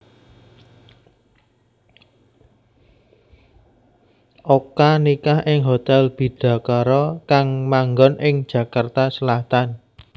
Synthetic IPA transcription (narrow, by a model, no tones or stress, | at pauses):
ʔokanikahʔɪŋɦot̪ɛlb̥i̤ɖ̥a̤kaɾɔkaŋmaŋɡɔnʔɪŋd̥ʒ̥ä̤kart̪asəlaht̪an